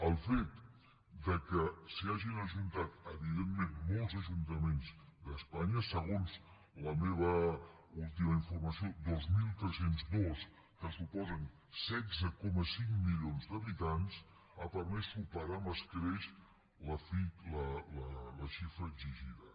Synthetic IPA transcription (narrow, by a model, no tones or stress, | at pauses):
əlˠfet̪ | d̪əkəsiaʒinəʒunt̪at̪əβiðemːẽnmɔlˠzəʒunt̪əmenzd̪əspaɲəsəɣ̞onz | ləmeβə | ulˠt̪iməiɱfurməsiod̪ozmilˠt̪ɾɛsenzdɔs | kəsupɔzən | sɛɡzəkɔməsiŋmiljonzd̪əβit̪ans | apərmɛsupəɾaməskɾɛʃ | ləfilələləʃifɾəːɡziʒiðə